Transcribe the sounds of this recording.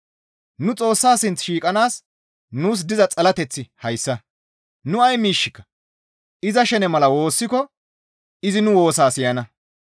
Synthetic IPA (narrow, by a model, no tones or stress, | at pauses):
nʊt͡sʼo̞ːsːaːsɪnt͡sʃiːkʼɐnaːs | nuːs̬d̪ɪzɐt͡sʼɐlɐt̪ɛt͡sːɪhɐjsːɐ | nʊɐjmiːʃːɪkːɐ̥ | ʔɪzɐʃɛnɛmɐlɐwo̞ːsːɪkɔ | ɪzɪnʊwo̞ːsaːsɪjɐnɐ